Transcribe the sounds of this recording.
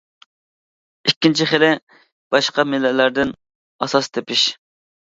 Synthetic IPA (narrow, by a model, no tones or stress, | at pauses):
ikʲːint͡ʃʰiχɪlɪ | b̥ɑʃqɑmɪlːɛlːæɾd̪ɪn | ɑsɑst̪ʰepɪʃ